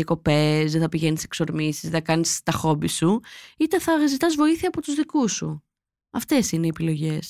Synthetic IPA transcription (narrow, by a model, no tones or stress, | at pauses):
ɐko̞pezðeθɐpiʝe̞nise̥kso̞ɾmisi̥zðeθɐkɐnist̪ɐxo̞bisuit̪eθɐɣɐzit̪ɐzvo̞iθiɐːpo̞t̪uzðikusṵ | ɐft̪e̞sineiepilo̞ʝe̞s